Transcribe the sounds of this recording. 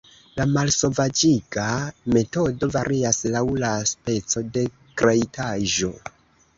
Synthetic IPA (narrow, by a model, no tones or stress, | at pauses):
lamalso̞vad͡ʒiɡame̞to̞do̞vaɾʔiaslawlaspe̞t͡so̞de̞ | kɾeitʰaʒo̞